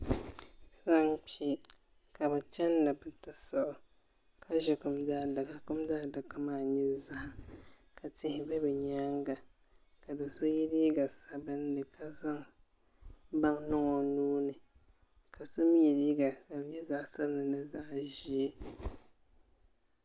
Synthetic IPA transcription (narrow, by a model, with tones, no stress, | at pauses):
sa˦ŋk͡pi˦i˦ | ka˨bɛ˨t͡ʃɛ˦nːɨ˨bɨ˨tɨ˨sɔ˦˨ʔʊ˨ | kʰa˦ʒɛ˨kʊ˨mdaː˦da˨ka˦kʊ˦mdaː˦˨da˨ka˦maː˦˨ɲɛ˦za˦ʔ | ka˨tɪ˨hɪ˨bɛ˦bɛ˨ɲaː˦ŋɡa˨ | ka˨do˨so˦ji˦li˦i˦ɡa˨sa˨bɨ˦nː˦ɨ˨kʰa˨za˦ŋ | ba˦ŋnʊ˦ŋɔ˨nuː˦nɨ˨ | kʰa˨so˦mi˦jɛ˨lji˦ɡa˨ka˨bɲɛ˦za˦ʔsa˦bɨ˦nɨ˨nɨ˦za˦ʔʒi˦e˦